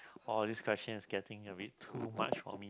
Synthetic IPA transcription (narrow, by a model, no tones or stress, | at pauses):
ɔldiskʰwɛst͡ʃə̃nɪsɡɛtɪ̃ŋəbitʰuma̰t͡ʃfɔ̰mi